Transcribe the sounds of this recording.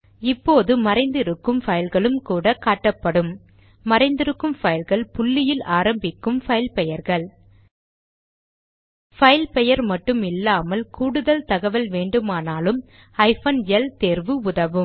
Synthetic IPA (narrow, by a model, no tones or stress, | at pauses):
ɪpːoːðɯmɐɾɐɪnd̪ɪɾɯkːɯmfɐjɪlɣɐɭɯmkuːɽɐkaːʈːɐpːɐɽɯmː | ɐɾɐɪnd̪ɪɾɯkːɯmfɐjɪlɣɐɭpʊɭːɪjɪlaːɾɐmbɪkːɯmfɐɪlpɛjɐɾɣɐɭ | fɐjɪlpɛjɐɾmɐʈːɯmɪlːaːmɐlkuːɽɯðɐlt̪ɐɣɐʋɐlʋeːɳɖɯmaːnaːlɯm | ɐɪfɐnɛlt̪eːɾʋɯʊðɐʋɯm